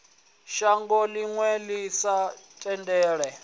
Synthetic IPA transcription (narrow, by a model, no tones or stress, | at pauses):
ʃaŋɡɔliŋwɛlisatʼɛndɛːɺɛ